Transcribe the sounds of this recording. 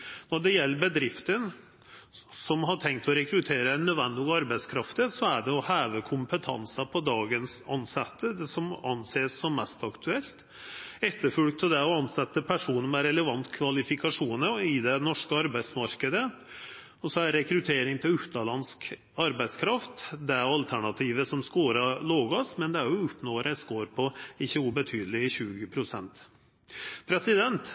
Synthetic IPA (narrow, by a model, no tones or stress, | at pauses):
nɔɖɛjɛlːəbəd̪ɾɪft̪ən | sɔmɦɑʈʰɛŋk̚t̪ʰɔɾɛkɾʉt̪ʰeːɾənœd̪ʋɛnd̪ɪɑɾbæɪskʰɾɑft̪əsɔæɖɛɔhæːʋəkʰʊmpət̪ʰɑ̰nsɑpʰɔd̪ɑːɡənsɑ̰nsɛt̪ːəd̪ɛsɔmɑ̰nːseːsːɔmːɛst̪ɑkt̪ʰʉɛlt̪ | ɛt̪ːəɾfʉlk̚t̪ʰːɔd̪ɛɔɑnsɛt̪ːəpʰæʂuːnmɛɾɛləʋɑnt̪kʰʋɑlɪfɪkɑʂuːnəɪd̪ɛnɔʂkəɑɾbæɪd̪smɑɾkəd̪ə | ɔsɔæɾɾɛkɾʉt̪ʰeːɾɪŋt̪ʰɪlʉt̪ɑlɑnsk | ɑɾbæɪskʰɾɑft̪d̪ɛæɑlt̪ʰæɳɑt̪ʰiːʋəsɔmskoːɾɑloːɡɑsmɛnd̪ɛæɾjʊʉpnoːɾæɪskoːɾpʰɔɪçːəʊbət̪ʰyːd̪əlɪəɕʉːɡəpʰɾʊsɛ̰nt̪ | pʰɾɛsɪd̪ɛnt̪